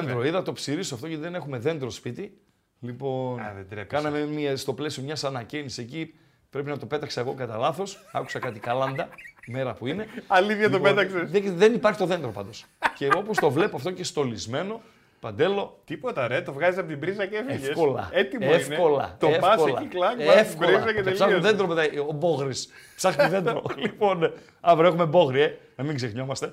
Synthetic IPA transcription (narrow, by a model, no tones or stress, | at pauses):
end̪ɾoiðɐt̪o̞psiɾisoɐft̪oʝɐt̪iðene̞xumeðe̞nd̪ɾo̞spit̪i | lipo̞nkɐnɐmemiɐst̪o̞ple̞siomɲɐsɐnɐcenisiseci | pɾe̞pinɐt̪o̞pe̞t̪ɐkseeɣo̞kɐt̪ɐlɐθo̞sɐ̰ku̥sɐkɐt̪ikɐlɐnd̪ɐme̞ɾɐpuineɐliðjɐt̪opet̪ɐkseseðe̞nipɐɾçit̪oðe̞nd̪ɾopɐ̰nd̪o̞s | ce̞o̞post̪o̞vle̞poɐft̪o̞cest̪o̞lizme̞no̞ | pɐnd̪e̞lo̞t̪ipot̪ɐɾet̪ovɣɐzisɐpot̪ibɾizɐcefefeskolɐ̰et̪imeifneko̞lɐ̰t̪oepɐsolɐiklɐɡefkɾɾizɐcet̪elsɐðe̞nd̪ɾomet̪ɐobo̞ɣɾissɐxiðe̞nd̪ɾolipo̞ne | ɐvɾe̞xumebo̞ɣɾie | nɐmiŋɡzexɲo̞mɐst̪e̞